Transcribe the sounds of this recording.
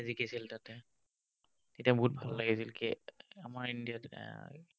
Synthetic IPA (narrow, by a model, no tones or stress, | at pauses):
zikʰisiltatɛ | etiabɔɦut̚bʱallaɡisilkiamaɹindijat